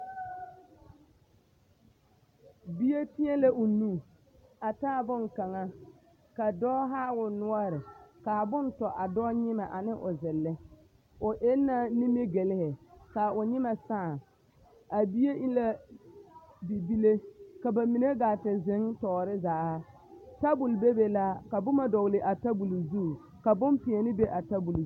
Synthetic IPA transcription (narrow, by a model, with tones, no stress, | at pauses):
bi˦je˦tɪ˦ɛ˦le˦ʔʊ˨nu˦˨ | a˨taː˦˨bʊ˦nka˨ŋa˦ | ka˨dɔː˦ɦaː˦wʊ˨nʊ˦ɔ˦ɾɪ˨ka˨bʊ˦ntɔ˨ʔa˨dɔː˦ɲɪ˦ma˨ʔa˨nɪ˦ʔʊ˨zɪ˨lːɪ˦ | ʊ˨ʔe˦nːa˦ni˦me˦ɡe˨lɪ˦hɪ˨ka˨ʊ˨ɲɪ˦ma˨sa˦˨ | a˨bi˦je˦ʔi˦la˦ | bi˨bi˦le˦ka˨ba˨mi˨ne˦ɡa˨tɪ˨zɪ˨˦ŋtɔː˨ɾɪ˦zaː˨˦ | ta˦bu˨lbe˦be˨la˦ka˨bʊ˦ma˦dɔ˨ɣlɪ˨ʔa˨ta˦bu˨lzu˦˨ | ka˨bʊ˦mpɪ˨ɛ˨nɪ˦be˦ʔa˨ta˦bu˨l